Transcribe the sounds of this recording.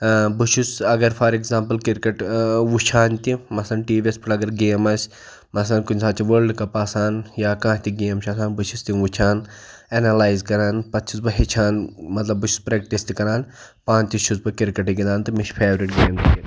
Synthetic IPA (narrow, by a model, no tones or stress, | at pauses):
buʃʰusɐɡɐɾpʰaːɾekzãːmpɐlkiɾkɐʈʋut͡ʃʰaːnt̪imɐsɐnʈiːʋʲespʰiʈɐɡɐɾɡeːmɐsʲ | mɐslɐnkunʲsaːt͡ʃʰiʋəlɖkɐpaːsaːnjaːkãːt̪iɡeːmt͡ʃʰasaːnbut͡ʃʰust̪iʋut͡ʃʰaːn | enɐlaːjzkɐɾaːnpɐt̪ːt͡ʃʰisbɨɦit͡ʃʰaːnmɐt̪lɐbːuʃʰu̥spɾeːk̚ʈist̪ikɐɾaːn | pãːt͡ʃ̪iʃʰuzbɨkiɾkɐʈiɡid̪aːnt̪ɨmiʃpʰeːʋɾiʈɡeːmt̪ʲʰi